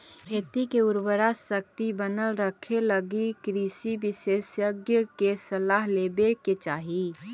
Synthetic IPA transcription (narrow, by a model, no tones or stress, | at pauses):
kʰeːt̪ikeʊɾbəɾasək̚t̪ibənəlɾəkʰeləɡikɾiːsibɪseːsjəɡjəkesɐlaːɦleːbeket͡ʃaːɦi